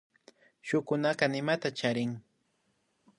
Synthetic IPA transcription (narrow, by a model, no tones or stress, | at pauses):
ʃʊkʊnakɑnɪmat̪at͡ʃaɾɪŋ